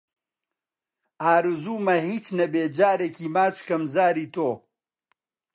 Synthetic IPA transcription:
aːɾuzuːmɐhiːt͡ʃnɐbeːd͡ʒaːɾekiːmaːt͡ʃkɐmzaːɾiːt̪oː

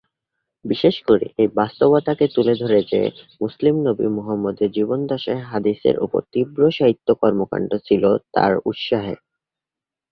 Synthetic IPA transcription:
biʃeʃkoɾḭʔejbast̪obat̪aket̪uled̪ʱoɾed͡ʑḛmuslimnobḭmuɦamːod̪eɾd͡ʑibond̪ɔʃeɦad̪isḛɾʔṵpo̰ɾt̪ibɾoʃaɦit̪ːokɔɾmoka̰ɳɖot͡ɕʰilot̪a̰ɾṵt̪ʃaɦḛ

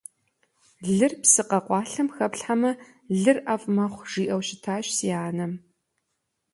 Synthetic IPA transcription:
ɮɨrpsɨqɐqʷɑːɬɐmxɐpɬħamɐ | ɮɨrʔɐfʼmɐχʷʐ̥iːʔɐwɕɪtʰaːɕsiaːnɐm

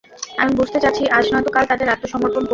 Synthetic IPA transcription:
amibud͡ʑʱt̪et͡ɕatːʰiʔaʃnat̪okalt̪ad̪eɾat̪ːoʃɔmoɾt̪ʰonko

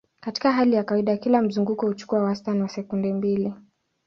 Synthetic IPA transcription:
kati̥kaɦalijakawiɗakilam̩zuŋɡukɔhut͡ʃu̥kuawastaniwasɛkundɛmbili

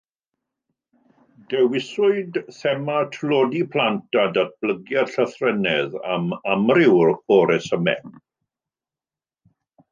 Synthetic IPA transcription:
d̥ɛwɪsʊɨdθɛmatʰlɔdipʰl̥ˠantʰadat̚b̥ləɡjarɬəθrɛnɛða̰mamrɪwrɔɾɛsəmɛ̰

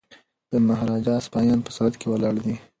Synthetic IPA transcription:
d̪̥əmaɦɾɑd͡ʒɑspɑjɑnpə̥sɑd̪kewəlɑɽd̪i

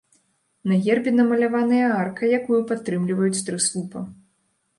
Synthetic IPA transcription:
nɐɣʲɛrbʲinɐmɐlʲavanɨjɐarkɐjakujupat̪ːɾɨmlʲivɐjut͡sʲt̪ɾɨslˠupɐ

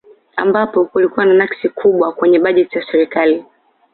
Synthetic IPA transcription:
a̰mbapɔkulikuwananaksikʰuɓwakwɛɲɛɓaʄɛtizasɛɾikali

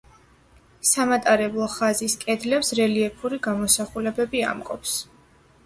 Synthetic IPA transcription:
samat̪ʼaɾɛblˠɔχaziskʼɛd̪lɛpsɾɛliɛpʰuɾiɡamɔsaχulɛbɛbia̰mkʼɔps

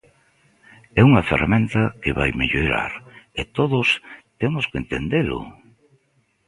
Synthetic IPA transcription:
ɛuŋɐferamẽnt̪ɐkeβajmeʎoɾa̰ɾet̪oðʊst̪emʊskent̪end̪elʊ̰

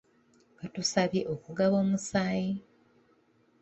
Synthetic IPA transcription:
βatusaβje̞ʔokuɡaβo̞ːmusaːji

